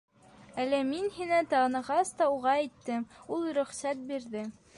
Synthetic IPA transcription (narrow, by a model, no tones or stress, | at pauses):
ælːæminhinæt̪ɑʁnɤ̆ʁɑst̪ɑuʁɑæjt̪ːɘmulˠɾɵ̆χsæt̪̚biɾðɘ